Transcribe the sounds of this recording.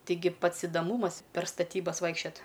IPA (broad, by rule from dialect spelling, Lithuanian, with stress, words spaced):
ˈtʲɪɡʲɪ ˈpɐts ɪdɐˈmuːmɐs pʲɛr stɐˈtʲiːbɐs ˈʋɐɪkʃʲt͡ʃʲɛt